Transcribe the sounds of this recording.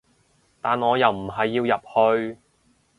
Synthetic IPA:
t̪aː˨nŋɔː˨˧jɐ˨wm̩˨˩ɦɐ˨jːiː˧wjɐ˨p̚hɵ˧ɥ

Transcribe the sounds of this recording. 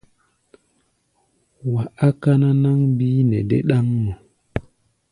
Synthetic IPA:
wa˨ʔa˦ka˦na˦na˦ŋbiː˦ne˨dḛ˦ɗa˦ŋːo˨

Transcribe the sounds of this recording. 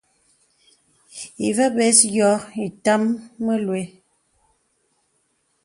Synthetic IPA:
ḭ˨və˦bɛ˨˦sɡjɔ˨˦i˨ta˦mːə˦lwe˨˦

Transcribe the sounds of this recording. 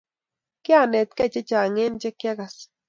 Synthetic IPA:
kja˦ne˨t̪̚ke˦t͡ʃe˦t͡ʃa˨ŋe˦nt͡ʃe˦kja˦ɡa˨s

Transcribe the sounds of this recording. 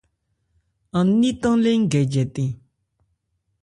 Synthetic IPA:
a˩˨ni˥t̪a˥ŋle˥˨ŋɡɛ˩˨d͡ʑɛ˩˨t̪e˨

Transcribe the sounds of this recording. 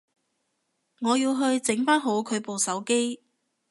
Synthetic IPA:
ŋɔː˨˧jiː˧wɦɵ˧ɥt͡sɪ˨˥ŋfaː˥nɦo˨˥wkʰɵ˨˧ɥpo˨wsɐ˨˥wke˥j

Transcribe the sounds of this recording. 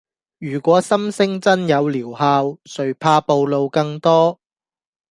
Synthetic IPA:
jyː˨˩kʷɔː˨˥sɐ˥msɪ˥ŋt͡sɐ˥njɐ˨˧wliː˨˩whaː˧wsɵ˨˩ɥpʰaː˧po˨˧wlo˨˧wkɐ˧ŋt̪ɔː˥

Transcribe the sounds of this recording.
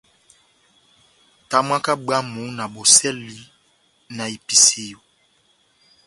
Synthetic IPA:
ta˨m˦a˦ka˦ɡ͡ba˦mu˨˦na˨bo˨sɛ˦li˨˦ | na˨i˨pi˨se˨jo˨

